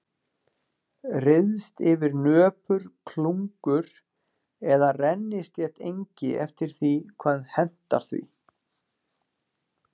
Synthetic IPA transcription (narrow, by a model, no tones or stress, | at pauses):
rɪðst̪ɪvɪɾnœːpʏɾ̥kʰluŋkʏɾ̥ | ɛðarɛnːɪst̪ljɛht̪ejɲcɪɛft̪ɪɾ̥θikʰvaðhɛn̥t̪a̰ɾ̥θvḭ